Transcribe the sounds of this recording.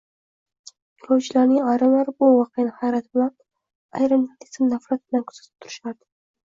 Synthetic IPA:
lawt͡ʃʰɪlaɾnɪŋɑjɾamlaɾbʊwɒqejanɪhajɾat̪ʰɪbɪlan | a̰jɾɨmɪ̥sɪmnafɾat̪̚bɪlankʰʊ̥z̥at̪ʰɪ̥p̚t̪ʰʊɾɪ̥ʃaɾd̪ɪ

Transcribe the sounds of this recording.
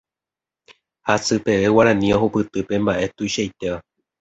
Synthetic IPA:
hasɨpe̞ʋe̞waɾãnĩo̞ɦupɨt̪ɨpe̞mbaʔe̞t̪uʃajt̪e̞ʋa

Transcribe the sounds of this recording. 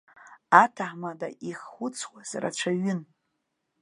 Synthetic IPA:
atʰaħmada̰ʔiχːʊt͡sʰwazara̰t͡ʃʷʰaɥʏn

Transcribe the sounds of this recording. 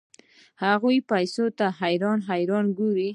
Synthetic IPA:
haɣujpajsot̪aɦajɾɑnɦajɾɑnɡuɾi

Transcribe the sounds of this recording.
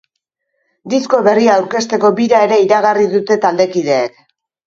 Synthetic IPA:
d̪isko̞βe̞riaːwɾke̞st̪e̞ko̞biɾae̞ɾe̞iɾaɣariðut̪e̞t̪ald̪e̞kið̞e̞ːk

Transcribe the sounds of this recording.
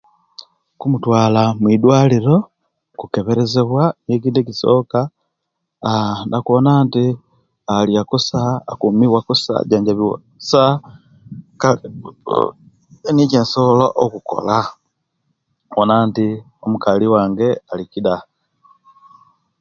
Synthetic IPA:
kumutwaːlamwiːdwaːliɾo̞ | kuke̞βe̞ɾe̞ze̞βwaneɡiːndekiso̞ːka | nakuβo̞naːnti | aliakusaːkumiwakusa̰ɟaːɲɟaβi | sa | ka | niceːnsoloʔokuko̞̰la | onaːnti | omukaliwaːŋɡe̞alikida

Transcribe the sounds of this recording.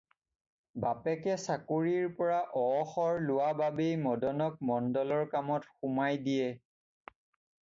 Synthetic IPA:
bapɛkɛsakoɹiɹpɔɹaʔɔxɔɹlʊwababejmɔdɔnɔk̚mɔndɔlɔɹkamɔtxumajdijɛ

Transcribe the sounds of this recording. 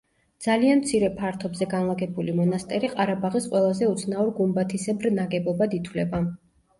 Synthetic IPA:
d̪z̥alianmt̪sʰiɾɛpʰaɾt̪ʰɔbzɛɡanlˠaɡɛbulimɔnast̪ʼɛɾiqʼaɾabaʁisqʼwɛlˠazɛut̪sʰnauɾɡumbat̪ʰisɛbɾnaɡɛbɔbad̪it̪ʰwlɛba

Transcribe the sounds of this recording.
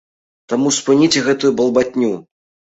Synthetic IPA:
t̪amuspɨnʲit͡sʲɛɣɛt̪ujubɐlˠbatʲnʲu

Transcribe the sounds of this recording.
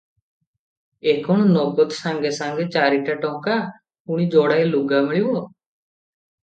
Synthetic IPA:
eːkʊɳ̃noːkət̪sãŋɡesãŋɡeːt͡ʃaːɾiːʈaːʈɔ̃ːkaː | ʊɽ̃iːd͡ʒoːɽaːelʊɡamɪɭiʋoː

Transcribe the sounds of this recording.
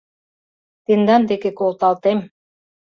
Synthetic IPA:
t̪end̪ɑnd̪ekekolˠt̪ɑlˠt̪em

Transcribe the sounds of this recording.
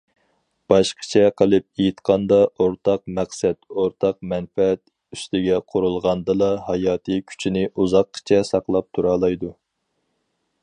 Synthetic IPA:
b̥ɑʃqʰə̥t͡ʃʰɛqʰəlˠɨp̚ejit̪qʰɑnd̪ɑoɾt̪ʰɑqmɛqsɛt̪oɾt̪ʰɑq̚mɛnfɛɛt̪̚ | yst̪ɪɡʲɛqʰʊɾulˠʁɑnd̪ɨlˠɑɦɑjɑːt̪ʰɨkʲʰy̥t͡ʃʰinɪʔuzɑqʰːə̥t͡ʃʰɛsɑqlˠɑp̚t̪ʰuɾɑːlˠɑjd̪u

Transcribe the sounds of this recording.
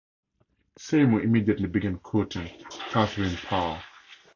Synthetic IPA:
seməɪmidiətˡlibɪɡæ̃nkʰɔtɨ̃nkʰaθɹĩnpʰaʊ

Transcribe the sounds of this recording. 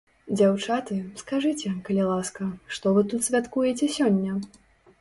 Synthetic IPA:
d͡zʲawt͡ʂat̪ɨskaʐɨt͡sʲɛkɐlʲilˠaskɐʂt̪ɔvɨt̪ut̪sʲvʲat̪kujɛt͡sʲɛsʲɔnʲːɐ

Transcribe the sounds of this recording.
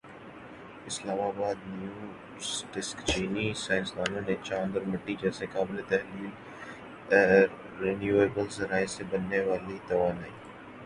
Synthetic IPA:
ɪslaːmaːbaːd̪nijuː | zɖɪskt͡ʃiːnisaːɪ̃nst̪aːnõnet͡ʃãːnd̪əɾmɐʈːid͡ʒɛːsekaːbɪlet̪ɛɦliːl | ɛɾː | enjuːeːbəlzɐɾaːesebɐnːeʋaːlit̪ɐʋaːnaːi

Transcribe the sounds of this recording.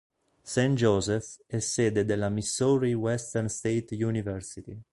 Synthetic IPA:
sɛnd͡ʒɔːzɛfɛsːeːd̪ed̪elamisːɔːɾiwɛst̪ɛrnst̪ejt̪junivɛrsit̪i

